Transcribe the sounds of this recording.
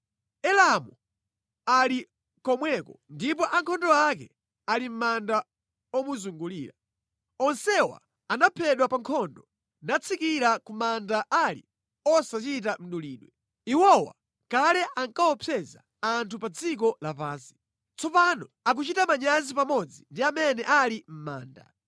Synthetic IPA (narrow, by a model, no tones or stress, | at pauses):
ɛlamu | ali | kɔmwɛkɔndip̬ɔʔaŋkʰɔndɔakɛ | alim̩manda | ɔmuzuŋɡulḭːɾa | ɔnsɛwa̰ | anapʰɛɗwapaŋkʰɔndɔ | nat͡sʰikiɾakumandaʔalḭ | ɔsat͡ʃitam̩ɗuliːɗwɛ | iwɔwa̰ | kalɛʔaŋkaɔpʰɛza̰ | antʰupad͡zik̬ɔlapaːnsi̥ | t͡sɔpanɔak̬ut͡ʃitamaɲazipamɔd͡zindiamɛnɛʔalim̩ma̰ːnda̰